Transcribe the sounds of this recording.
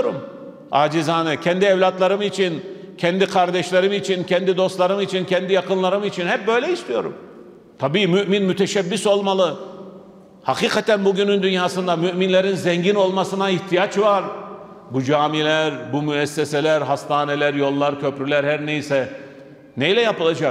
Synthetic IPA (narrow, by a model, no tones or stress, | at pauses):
ɾum | aːd͡ʒizaːnɯcʰɛnd̪iɛvlʲat̪lˠaɾɯmit͡ʃʰincʰɛnd̪ikʰaɾd̪ɛʃlʲˠaɾɯmit͡ʃʰincʰɛnd̪id̪o̞st̪lˠaɾɯmit͡ʃʰincʰɛnd̪ijakɯnlˠaɾɯmit͡ʃʰinhɦɛp̚bø̞jlʲɛist̪ijo̞ɾṵm | t̪ʰabiːmyʔminmyt̪ʰɛʃɛbːiso̞lˠmalˠɯ | haqiːkʰat̪ʰænbuɟynynd̪ynjaːsɯnd̪amyʔminlʲeɾinzɛɲɟino̞lˠmasɯnaiht̪ʰijat͡ʃvaɾ | bud͡ʒaːmilʲæɾbumyɛsːeselʲæɾɦast̪ʰaːnelʲæɾjo̞lˠːaɾcʰøpɾylʲæɾhæɾnejisɛ | nejlʲɛjapɯlˠad͡ʒa